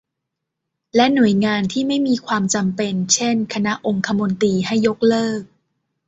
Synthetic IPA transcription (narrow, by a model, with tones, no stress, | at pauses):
lɛ˦˥nu˨˩˦jŋaː˧nt̪ʰiː˥˩ma˥˩jmiː˧kʰwaː˧mt͡ɕa˧mpe˧nt͡ɕʰe˥˩nkʰa˧na˦˥ʔo˧ŋkʰa˧mo˧nt̪iː˧ɦa˥˩jːo˦˥k̚lɤː˥˩k̚